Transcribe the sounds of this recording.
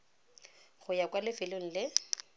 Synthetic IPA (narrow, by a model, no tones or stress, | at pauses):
χʊjakwalɪfɪloŋ̩lɪ